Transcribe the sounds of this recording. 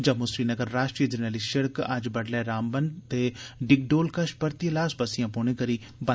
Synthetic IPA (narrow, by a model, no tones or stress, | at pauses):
d͡ʒɐːmosɾiːnəɡəɾːaːʃʈɾiːəd͡ʒəɾnəliʃəɽkɐ̰d͡ʒbəɽlɛːɾaːmbənd̪t̪eːɖɪɡɖoːlkəʃbəɾt̪iəlaːsbəsɪjãːpoːɽ̃ẽkəɾiː | bə